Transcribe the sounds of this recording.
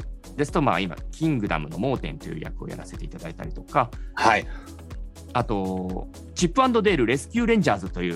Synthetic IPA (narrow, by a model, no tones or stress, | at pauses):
d̪e̞sɨ̥t̪o̞ma̰ːima̰kʲĩŋɡɯ̟d̪a̰mɯ̟no̞̰mo̞ːt̪ẽ̞nt̪ojɯ̟ja̰kɯ̟o̞ja̰ɾase̞t̪e̞it̪ad̪ait̪a̰ɾʲit̪o̞kahai | at̪o̞ | t͡ɕipːɯãnd̪o̞d̪e̞ːɾɯ̟ɾe̞sɨ̥kʲɨːɾẽ̞ɲ̟d͡ʑaːzɨt̪o̞jɯ̟ː